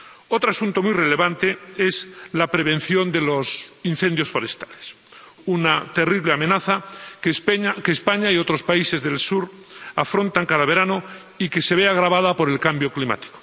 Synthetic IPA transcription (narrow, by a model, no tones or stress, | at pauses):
o̞t̪ɾoasunt̪o̞mujre̞le̞βant̪e̞e̞zlapɾe̞β̞ẽ̞n̟θjo̞nd̪e̞lo̞sin̟θe̞nd̪jo̞sfo̞ɾe̞st̪ḁles | unat̪e̞riβleamẽ̞naθa | akeːspaɲaio̞t̪ɾo̞spaise̞zðe̞lsuɾ | afɾo̞nt̪aŋkaðaβ̞e̞ɾano | ike̞se̞βeaɣ̞ɾaβað̞apo̞ɾe̞lkambjo̞klima̰t̪i̥ko̥